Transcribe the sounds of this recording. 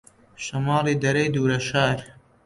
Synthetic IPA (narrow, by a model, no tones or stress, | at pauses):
ʃɐmɑːliːd̪ɐɾɐjd̪uːɾɐʃaːɾ